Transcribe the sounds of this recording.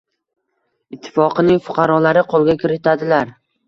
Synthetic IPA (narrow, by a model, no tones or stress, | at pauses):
ɪt̪ʰːɪ̥fɒqʰɨnɪŋfʊ̥qʰɑɾɒlaɾɪqʰolˠɡʲakʲɪɾɪt̪ʰad̪ɪlaɾ